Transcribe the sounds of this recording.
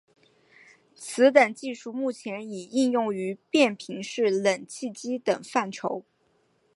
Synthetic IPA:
sʰɹ̩˧˥t̪a˨˩nt͡ɕi˥˧ʂu˥˧mu˥˩t͡ɕʰjɛ˧˥ni˨˩i˥˧njʊ˥˩ŋy˧˥pjɛ˥˩npʰi˧˥ŋʂɻ̩˥˩lə˨˩nt͡ɕʰi˥˩t͡ɕi˥t̪ɤ˨˩ŋfa˥˩nʈ͡ʂʰo˧˥ʊ

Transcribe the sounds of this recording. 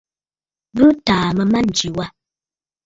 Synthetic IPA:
bɨ˦taː˨mə˨ma˦n̩˨d͡ʒi˨wa˦

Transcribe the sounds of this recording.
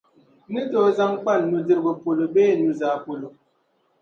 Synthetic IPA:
nɨ˦to˦za˦ŋk͡pa˦˨nːu˨də˦ɾbə˨po˨lo˨beː˦˨nu˨za˨po˨lo˨

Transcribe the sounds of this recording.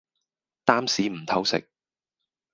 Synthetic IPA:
t̪aː˥msiː˨˥m̩˨˩t̪ʰɐ˥wsɪ̰˨k̚

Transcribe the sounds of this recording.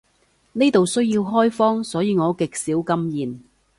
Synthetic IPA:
neː˥t̪o˨wsɵ˥ɥji˧wɦɔː˥jfɔː˥ŋsɔː˨˥jiː˨˧ŋɔː˨˧kɪ˨k̚siː˨˥wkɐ˥mjiː˨n

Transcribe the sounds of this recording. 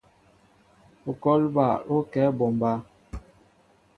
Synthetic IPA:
o˨kɔ˦lba˨o˦kɛ˨˦bɔ˨mba˦

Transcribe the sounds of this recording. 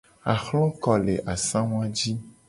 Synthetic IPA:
a˨xlɔ̃˦kɔ˨le˨ʔa˨sã˦w̃ã˦d͡ʒi˦

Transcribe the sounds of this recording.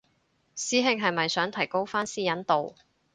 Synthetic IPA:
siː˨˥ɦɪ˧ŋɦɐ˨jmɐ˨jsœː˨˥ŋt̪ʰɐ˨˩jko˥wfaː˥nsiː˥jɐ˨˥nt̪o˨w

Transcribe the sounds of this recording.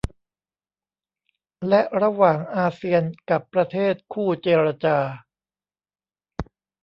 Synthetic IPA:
lɛ˦˥ʔɾa˧waː˨˩ŋʔaː˧si˧ənka˨˩pːɾa˧t̪ʰeː˥˩t̪̚kʰuː˥˩t͡ɕeː˧ɾa˧t͡ɕaː˧

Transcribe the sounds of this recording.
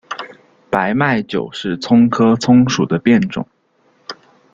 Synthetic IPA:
pa˧˥ɪma˥˩ɪt͡ɕjo̰˨˩ʊʂɻ̩˥˩t͡sʰʊ˥ŋkʰɤ˥t͡sʰʊ˥ŋʂu˨˩d̪ə˦pjɛ˥˩nʈ͡ʂʊ̰˨˩˦ŋ

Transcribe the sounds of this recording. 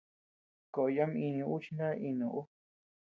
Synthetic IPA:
ko˨ʔja˦mĩ˧nĩ˧u˦t͡ʃi˦nã˦ʔi˧nũ˧˨ʔu˦

